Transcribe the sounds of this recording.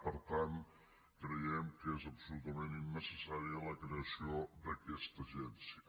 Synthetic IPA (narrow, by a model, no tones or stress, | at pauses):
pəɾt̪an | kɾəjɛmkezəpsulut̪əmeninːəsəsaɾiələkɾeəsiod̪əkɛst̪əʒɛnsiə